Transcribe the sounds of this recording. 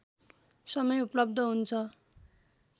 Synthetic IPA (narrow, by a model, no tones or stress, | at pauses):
sʌmʌjuplʌbd̪ʱʌɦunt͡sʰʌ